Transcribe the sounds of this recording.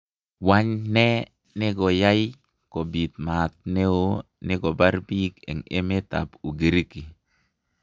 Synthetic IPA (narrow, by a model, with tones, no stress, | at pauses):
wa˦ɲnɛ˦ | ne˦ɡɔ˨ja˦j | ko˨bi˨t̪̚ma˨t̪̚ne˦o˦ | ne˦ɡɔ˨ba˦ɾbi˦kɛ̰˨ŋe˦me˦t̪a̰˨pu˨ɡe˨ɾiki˨